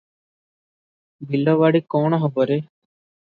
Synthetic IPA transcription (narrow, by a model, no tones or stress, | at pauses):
bilɔwaɽikɔɳ̃ɔɦɔbɔɾe